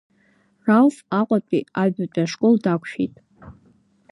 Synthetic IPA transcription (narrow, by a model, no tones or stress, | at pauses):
ralfaqʷʼapʼiabat͡pʷʼaʂkʼoldakʷʰʃᶣijtʼ